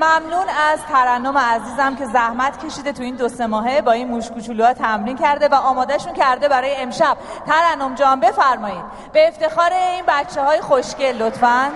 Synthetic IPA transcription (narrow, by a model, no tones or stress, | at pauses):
mæmnuːnæzt̪ʰæɾænːo̞meæziːzæmcʰe̞zæhmæt̪ʰcʲʰe̞ʃiːd̪e̞t̪ʰuiːnd̪o̞se̞mɒːɦe̞bɒːinmuʃkut͡ʃʰuːluɛt̪ʰæmɾincʰæɾd̪e̞væʔɒːmɒːd̪æʃuncʰæɾd̪e̞bæɾɒːjeemʃæb̥̚t̪ʰæɾænːo̞md͡ʒɒːmbe̞fæɾmɒːjiːd̪̚ | b̥e̞ːft̪e̞xɒːɾeinbæt̪t͡ʃʰːehɒːjexoʃcelot̪fæn